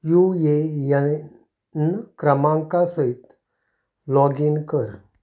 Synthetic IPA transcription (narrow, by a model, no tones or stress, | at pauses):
jujeja | nkɾəmãŋkasəit̪ | lɔɡinkəɾ